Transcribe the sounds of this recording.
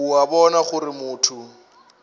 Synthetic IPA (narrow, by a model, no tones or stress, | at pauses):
uabɔnaχʊrɪmʊːtʰʊ